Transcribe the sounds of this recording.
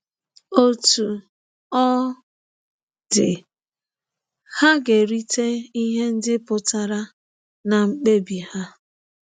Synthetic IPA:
o˦tu˨ | ɔ˦ | dɪ˨ | ha˦ɡe˨ɾi˦te˦i˦ɦe˦n̩˦dɪ˦pʊ˨ta˦ɾa˦ | na˨ŋ͡m̩˨k͡pe˦bi˨ha˦

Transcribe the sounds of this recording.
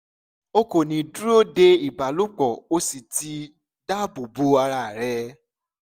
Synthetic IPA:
o˦ko˨nĩ˨du˦o˦de˧i˦˨ba˨lu˦k͡pɔ˨o˦si˨ti˧ | da˦bu˨bu˨˦a˧ɾa˦˨ɾɛ˦

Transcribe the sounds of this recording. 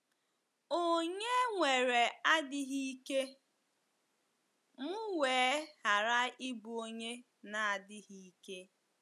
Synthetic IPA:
o˦ɲe˦ŋʷe˨ɾe˨a˦dɪ˦ɦi˦ke˦ | mʊ˦weː˨˦ha˨ɾa˦i˦bu˨o˦ɲe˦ | na˨a˨dɪ˦ɣi˦i˦ke˦

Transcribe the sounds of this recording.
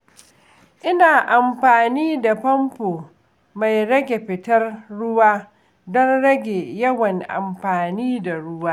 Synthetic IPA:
ʔɪ˦naː˨ʔa˨mɸaː˨niː˦da˨ɸɐ˦mpoː˨ | ma˨jɽɐ˦ɡʲe˨ɸɪ˨tɐ˦rɽʊ˦waː˦ | dɔ˦nɽɐ˦ɡʲe˨jɐ˦wɐ˨ŋʔa̰˨mɸaː˨niː˦da˨ɽʊ˦waː˦

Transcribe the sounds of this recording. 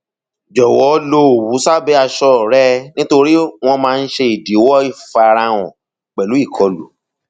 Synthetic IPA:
d͡ʒɔ˨wɔ˨˦lo˧o˨wu˨˦sa˦bɛ˦a˧ʃɔ˦˨ɾɛ˦nĩ˦to˧ɾi˦w̃ɔ̃˧mãː˧n̩˦ʃe˧i˨di˨˦wɔ˦i˦˨fa˧ɾa˧w̃ɔ̰̃˨ | k͡pɛ˨lu˨˦i˦˨kʰɔ˧lṵ˨˦

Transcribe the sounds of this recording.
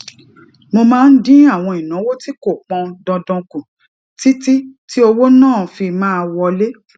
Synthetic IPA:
mo˧mãː˦n̩˦dĩ˦a˦˨w̃ɔ̃˧i˨nã˨˦wo˦ti˦ko˦˨k͡pɔ̃˧dɔ̃˧dɔ̃˧kũ˨ | ti˦ti˦ti˦o˧wo˦nãː˦˨fi˧mãː˦˧wɔ˧le˦

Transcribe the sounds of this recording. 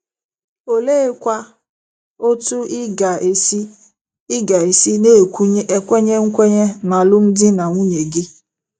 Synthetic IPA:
o˨leː˦kʷa˦ | o˦tu˦ɪ˦ɡa˨e˨si˦ | ɪ˦ɡa˨e˨si˦ne˦e˨kʷu˦ɲe˦ʔe˨kʷe˦ɲe˦ŋ̩˦kʷe˦ɲe˦na˨lʊ˦n̩˦dɪ˦na˨ŋʷu˦ɲe˨ɡɪ˦

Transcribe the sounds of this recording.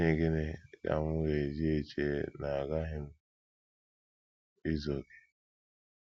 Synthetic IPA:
ɲe˨ɡe˦ne˨ɡa̰˨ŋʊ˦ɣe˨zi˦e˨t͡ʃe˦na˨a˨ɡa˦ɦɪ˦m̩˦ | i˦zo˨ɡe˨

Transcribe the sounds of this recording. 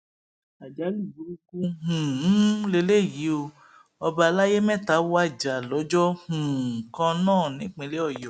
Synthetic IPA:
a˨d͡ʒa˨˦lu˦˨bu˨˦ɾu˦ku˦hũ˨˦le˧le˦˨ji˨˦o˧ | ɔ˧ba˧a˧la˦je˦mɛ̃˦˨ta˨˦wa˦˨d͡ʒa˨lɔ˨˦d͡ʒɔ˦h̩˨kã˧nãː˦˨nĩ˨˦k͡pẽ˧˦le˦ɔ˦˨jɔ˨

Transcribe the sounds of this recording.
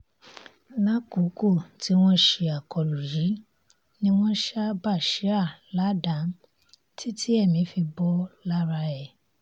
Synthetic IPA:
nã˦ku˨˦ko˦˨tʰi˦w̃ɔ̃˦ʃe˧a˨kɔ˨lu˨ji˨˦ | nĩ˧w̃ɔ̃˦ʃa˦ba˦˨ʃi˨˦a˦˨la˨˦dã˨˦ | tʰi˦tʰi˦ɛ˦˨mĩ˨˦fi˧bɔ˦la˦ɾa˧ɛ˦˨

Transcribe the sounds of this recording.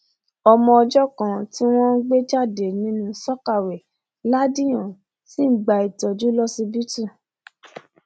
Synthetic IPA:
ɔ˧mɔ̃˧ɔ˧d͡ʒɔ˦kã˨ti˦w̃ɔ̃˦n̩˦ɡ͡be˦d͡ʒa˦˨de˨nĩ˨˦nũ˧˦sɔ˦ka˦˨we˨ | la˦dĩ˦j̃ã˨ | si˦˨ɡ͡ba˨i˨tɔ˨d͡ʒu˨˦lɔ˦si˧bi˦tu˦˨

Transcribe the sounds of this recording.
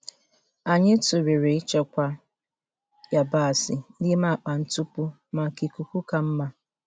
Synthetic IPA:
a˨ɲɪ˦tu˨ɾe˨ɾe˨i˦t͡ʃa˦kʷa˦ | ja˨ba˦˨sɪ˨˦lɪ˦ma˦˨k͡pa˨n̩˦tu˦pu˦ | ma˨ki˨ku˨kʷu˦ka˦m̩˦ma˦

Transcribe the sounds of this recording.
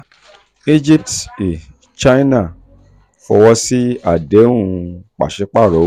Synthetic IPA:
i˦d͡ʒi˦p̚ti˨ | t͡ʃa˦i˦na˦˨ | fɔ̰˧wɔ˧si˦a˦˨de˨˦ũ˧k͡pa̰˨ʃe˨˦k͡pa˦˨ɾo˨˦

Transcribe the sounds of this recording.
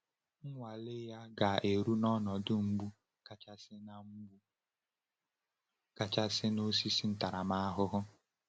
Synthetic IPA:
ŋ̩˦ŋʷa˨lɪ˦ja˦ɡa˨ʔe˨ɾu˦nɔ˦nɔ˨dʊ˦m̩˦ɡ͡bu˦ | ka˦t͡ʃa˦sɪ˦na˦m̩˦bu˦ | ka˨t͡ʃa˦sɪ˦no˦si˦si˦n̩˦ta˨ɾa˨ma˦a˦ɦʊ˦ɦʊ˦

